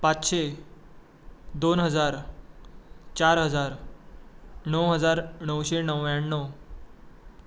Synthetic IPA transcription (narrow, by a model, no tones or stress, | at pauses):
pat͡sɕe | d̪onɦəd͡zaɾ | t͡ɕaɾɦəd͡zaɾ | ɳəwɦəd͡zaɾɳəwɕenəwjaɳːə